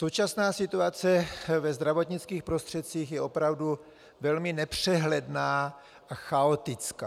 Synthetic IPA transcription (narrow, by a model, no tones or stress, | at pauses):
so̞wt͡ʃasnaːsɪt̪uat͡sɛvɛzd̪ɾavo̞t̪ɲɪt͡skiːxpɾost̪r̥ɛt̪̚t͡siːxjɛʔo̞pɾavdu | vɛlmɪnɛpr̝̥ɛɦlɛdnaː | ʔaxaot̪ɪt͡skaː